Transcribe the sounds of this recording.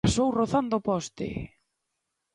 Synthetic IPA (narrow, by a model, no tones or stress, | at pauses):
asowroθand̪opɔst̪ɪ̰